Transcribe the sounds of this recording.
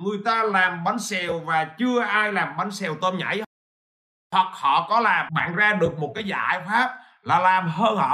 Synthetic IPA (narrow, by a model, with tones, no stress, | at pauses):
ŋɨ˨˩əjt̪aː˧laː˨˩mɓa˨˦nsɛ˨˩wvaː˨˩t͡ɕɨ˧əʔaː˧jlaː˨˩mɓa˨˦nsɛ˨˩wt̪ə˧mɲa̰˧˥j | t̪wa˨˩k̚hɔ̰˧˨kɔ˨˦laː˨˩mɓa̰ː˧˨nzaː˧ɗɨ˨˩ək̚mo˨˩t̚kaː˨˦jzaː˧˩˧jfaː˦˥p̚ | laː˨˩laː˨˩mɦəː˧nhɔ̰˧˨